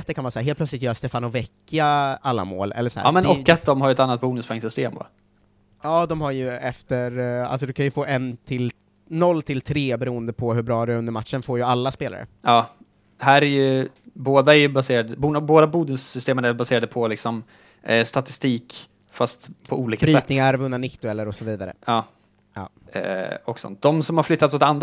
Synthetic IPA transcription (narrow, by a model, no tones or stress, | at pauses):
t̪d̪ɛkʰanvɑːɾsæːɾɦeːlpʰlœtslɪt̪jœːɾast̪eːfanɔvɛkːaalːa̰mo̰ːlʔɛ̰lːəsæ̰ːmɛnɔkːat̪̚d̪ɔmhaɾjɛt̪anːat̪̚buːnɵspʰɔɛŋsʏst̪eːmva̰ | jɑːd̪ɔmhaɾjɵɛft̪əɾa̰lsɔd̪ɵkʰanjɵfoːʔɛnt̪ʰɪl | nɔlːt̪ʰɪlt̪ʰɾeːbɛɾuːənd̪əpʰɔhɵbɾɑːæɾʉɵnd̪əɾmat̪ʂənfoːjɵalːaspeːla̰ɾə̰jɑː | d̪ɛɦæːɾæɾjɵ | boːd̪aɛɾjɵbaseːɾad̪əbunboːd̪abuːd̪ɵsʏst̪eːmənæɾbaseːɾad̪əpʰɔlɪksɔm | st̪at̪ɪ̥st̪iːk | fast̪pʰɔuːliːkaɾsiɛt̪ːnɪŋaɾvɵnːanɪtt̪ːʊɛlːəɾɔsɔviːd̪aɾə̰ɑː | jɑ̰ː | ɔksɔ̰nt̪̚d̪ɔmsɔmhaɾflʏt̪ːat̪sɔt̪and̪